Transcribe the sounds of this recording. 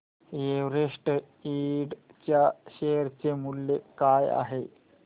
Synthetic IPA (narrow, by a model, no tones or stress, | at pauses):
jeʋɾeʂʈə | iɽ | t͡ɕjaɕejəɾt͡ɕemulːekaja̰ɦe